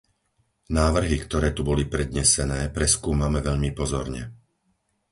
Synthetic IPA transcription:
naːʋr̩ɦikt̪ɔɾɛːt̪ubɔlipɾɛd̪ɲɛsɛnɛːpɾɛskuːmamɛʋɛʎmipɔzɔɾɲɛ̰

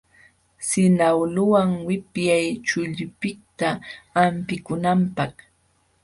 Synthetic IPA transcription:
sɪnawlʊwaŋwɪpjajt͡ʃʊʎʊpɪt̪aːmpɪkʊnampɑχ

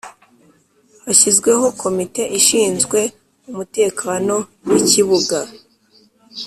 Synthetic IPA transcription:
haçizɡwe̞ɦo̞kʰo̞mite̞ʔiʃiːnzɡwe̞ | umute̞ːkano̞wiciβuɡa

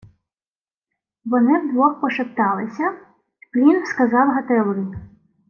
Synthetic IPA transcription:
ʋɔnɪwd̪ʋɔxpɔʃɪpt̪ɑlˠɪsʲɐ | plʲinskɐzɑwɦɐt̪ɛlˠɪ

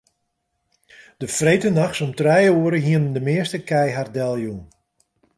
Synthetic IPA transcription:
d̥əfrejtənaxsɔmtrɛjəuəɾəɦiənəndəmɪəstəkɛjɦardɛlˠjun

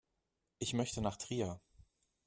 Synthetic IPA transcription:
ʔɪçmœçtənaːχtʁ̥iːɐ

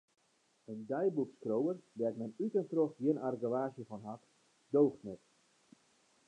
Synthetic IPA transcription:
əndɛjbukskrowərbɛrtmɛnytəntroxɡjɪənarɡəʋaːsjəfɔnɦak | dowxtnɛt

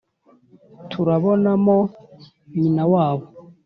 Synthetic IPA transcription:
tʰuɾaβonamo | ɲinawaːβo

